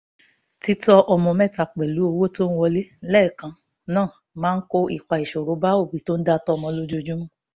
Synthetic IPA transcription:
ti˦tɔ˧ʔɔ˧mɔ̃˧mɛ˦˨ta˨k͡pɛ˨lu˨˦o˧wo˦to˦n̩˦wɔ˧le˦lɛ˦˨kã˧ | nãː˦˨ | mãː˨˦n̩˦ko˦i˦˨kʷa˨i˨ʃo˨ɾo˨˦ba˦o˦˨bi˨˦to˦n̩˦da˦tɔ˦ɔ˧mɔ̃˧lo˦d͡ʒo˦d͡ʒũ˦

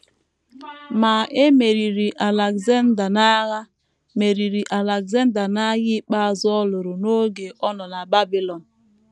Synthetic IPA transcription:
ma˨e˦me˨ɾi˨ɾi˨ʔa˨la˨kza˦n˦da˨na˦ɣa˦ | me˨ɾi˨ɾi˨ʔa˨la˨kza˦n˦da˨na˦ji˦k͡pa˦˨zɔ˦lo˨ɾo˨no˦ɡe˨ʔɔ˦nɔ˨na˨ba˦bi˦lɔ˨n

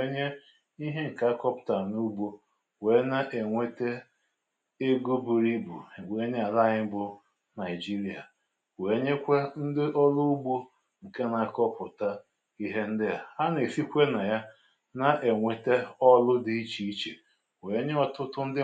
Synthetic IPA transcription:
e˦ɲe˦ | i˦ɦe˦ŋ̩˨ka˦kɔ˦pʊ̥˨ta˨nu˦ɡ͡bo˦ | we˨˦na˦ʔe˨ŋʷe˦te˦ | e˦ɡu˦bu˨ɾi˦bṵ˨we˨˦ɲe˦a˨la˦˨ɲɪ˦bʊ˦ | na˨ɪ˨d͡ʒi˦ɾi˨a̰˨ | we˨˦ɲe˦kʷe˦n̩˦dɪ˦ʔɔ˦lʊ˦u˦ɡ͡bo˦ | ŋ̩˨ke˦na˨kɔ˦pʊ˨ta˦ | i˦ɦe˦n̩˦dɪ˦ja˨a˦n˨e˨fi˦kʷe˦na˨ja˦ | na˦ʔe˨ŋʷe˨te˦ɔ˦lʊ˦dɪ˦i˦t͡ʃi˦i˦t͡ʃe˨ | we˨˦ɲe˦ɔ˨tʊ˦tʊ˦n̩˦dɪ˦

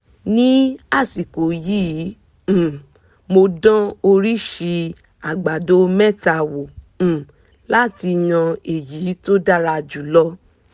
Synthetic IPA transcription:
nĩ˦a˦˨si˨ko˨jĩː˦˨ | mo˧dã˦o˧ɾi˦ʃi˧ | a˨ɡ͡ba˨do˨˦mɛ˦˨ta˨wõ˨ | la˦ti˧j̃ã˧e˨ji˨˦to˦da˦ɾa˧˨d͡ʒu˨lɔ˦

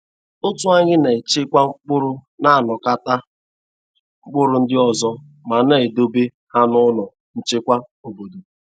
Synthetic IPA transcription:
ʊ˦tʊ˦a˦ɲɪ˦ne˨t͡ʃɪ˦kʷa˦ŋ͡m̩˦k͡pʊ˦ɾʊ˦na˦a˨nɔ˨ka˦ta˦ | ŋ͡m̩˦k͡pʊ˦ɾʊ˦n̩˦dɪ˦ɔ˨zɔ˦ | ma˨ne˨do˦be˦ | ha˦nʊ˦nɔ˨ | n̩˦t͡ʃɪ˦kʷa˦ | o˨bo˨do˨

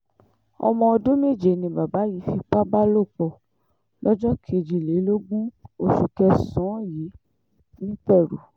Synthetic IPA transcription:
ɔ̰˧mɔ̃˧ɔ˧dũ˦me˦˨d͡ʒe˨nĩ˧ba˨ba˨˦ji˨˦fi˧k͡pa˦ba˦lo˦˨k͡pɔ˧˨ | lɔ˦d͡ʒɔ˦kʰi˦e˨d͡ʒi˨le˨˦lo˦ɡũ˦o˧˨su˨kɛ˧sɔ̃˨˦ji˨˦ | nĩ˦k͡pɛ˦˨ɾṵ˨

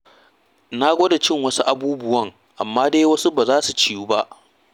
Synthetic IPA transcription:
na˦ɡʷoː˦da˨t͡ʃɪ˦ŋwɐ˦su˦ʔa˨buː˦bʊ˦wɐ˦˨ŋ | ʔa˨mːaː˦deː˦wɐ˦su˦baː˨zaː˦su˨t͡ʃiː˦ju˦ba˦ʔ

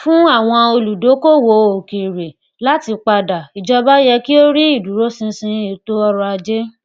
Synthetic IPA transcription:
fũ˦a˦˨w̃ɔ̃˧o˧lu˨do˨˦ko˦˨wo˨o˨ki˨ɾe˨ | la˦ti˧k͡pa˧da˨i˨d͡ʒɔ˧ba˦jɛ˧ki˦o˦ɾi˦i˦˨du˨ɾo˦sĩ˧sĩ˧i˨to˦ɔ˧ɾɔ˧a˧d͡ʒe˦

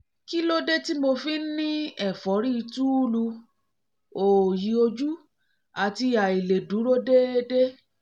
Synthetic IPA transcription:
ki˦lo˦de˦ti˦mo˧fi˦nĩ˦ɛ˦˨fɔ˨˦ɾi˦˧tu˦u˦lu˧ | o˨ji˨˦o˧d͡ʒu˦ | a˨ti˧ja˨i˨le˨du˨˦ɾo˦de˦de˦

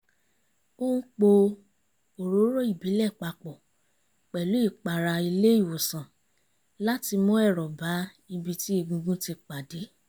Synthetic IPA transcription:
o˦ũ˦k͡po˧ | o˨ɾo˨˦ɾo˦i˦˨bi˨˦lɛ˦˨k͡pa˧k͡pɔ˨ | k͡pɛ˨lu˨˦i˦˨k͡pa˨ɾa˧i˧le˦˨wo˨sã˨ | la˦ti˧mɔ̃˦ɛ˦˨ɾɔ˨ba˨˦ | i˧bi˧ti˦i˧ɡũ˧ɡũ˦ti˧k͡pa˨de˨˦

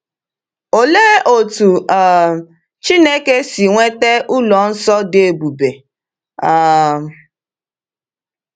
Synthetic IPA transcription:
o˨leː˦o˨tu˨a˨ | t͡ʃi˦ne˦ke˦si˨ŋʷe˦te˦ʔu˦lɔ˨n̩˦sɔ˦de˨bu˨be˨ | a˨

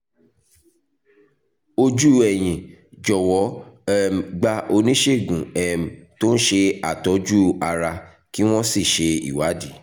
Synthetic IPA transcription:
o˧d͡ʒu˦ɛ˨j̃ĩ˨d͡ʒɔ˨wɔ˨˦ɛ˦˨ɡ͡ba˧ʔo˧nĩ˦ʃe˦˨ɡũ˨ɛ˨m̩˨to˦n̩˦ʃe˧a˨tɔ˨˦d͡ʒu˦a˧ɾa˧ | ki˦w̃ɔ̃˦si˦˨ʃe˧ḭ˨wa˨˦di˨˦

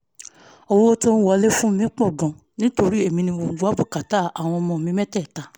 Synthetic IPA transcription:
o˧wo˦o˦to˦ñ̩˦wɔ˨˧˨le˦fũ˦mĩ˦k͡pɔ̃˦˨ɡɔ̃˨ | nĩ˦to˧ɾi˦e˦˨mĩ˧nĩ˧bo˨ɡo˨˦a˨˦bu˦˨ka˨ta˦˨a˨w̃ɔ̃˧mɔ̃˧˨mĩ˦mɛ̃˦tɛ˦˨ta˨

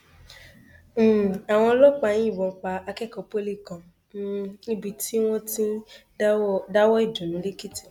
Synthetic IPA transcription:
a˨w̃ɔ̃˧lɔ˦k͡pa˧nĩ˦ĩ˦˨wɔ̃˧˨k͡pa˧a˧kɛ˦˨kɔ˨po˦li˦˨kã˨˦ | nĩ˦bi˧ti˦w̃ɔ̃˦tĩ˦ | da˦wɔ˦i˦˨dũ˨nũ˨˦le˦ki˦ti̥˦˨

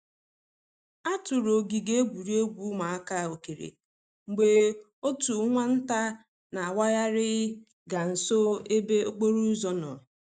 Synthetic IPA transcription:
a˦tʊ˨ɾo˨ɡi˨ɡe˦e˦ɡʷu˨ɾi˦o˦ɡʷu˦ma˨a˦ka˦˨o˨ke˨ɾḛ˨ | ŋ͡m̩˨ɡ͡be˨ | o˦tu˨˦ŋʷa˦n̩˦ta˦ | na˨a˨wa˦ɣa˦ɾɪ˦ɪ˦ | ɡa˨n̩˨so˦e˦be˦o˦k͡po˦ɾu˦zɔ˦nɔ˨

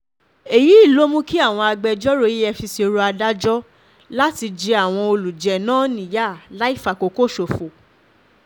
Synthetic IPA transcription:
e˨ji˨˦i˦˨lo˨˦mũ˦ki˦a˦˨w̃ɔ̃˧a˧ɡ͡bɛ˧d͡ʒɔ˦ɾo˦ji˦ɛ˧fi˧se˧ɾo˧a˧da˦d͡ʒɔ˦ | la˦ti˧d͡ʒi˧˦a˦˨w̃ɔ̃˧o˧lu˨d͡ʒɛ˨nãː˦nĩ˨ja˦˨la˦i˦˨fa˨ko˨˦ko˦˨ʃo˨fo˨

